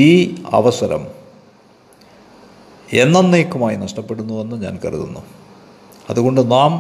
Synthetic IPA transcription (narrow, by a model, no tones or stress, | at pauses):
iːɐ̰ʋɐsɐɾɐ̰m | e̞nːɐnːeːkːumaːjinɐʂʈɐpːe̞ɽunːuʋenːɨɲa̰ːnkɐrḭðṵnːu | ɐðuɣo̞ɳɖɨnaːm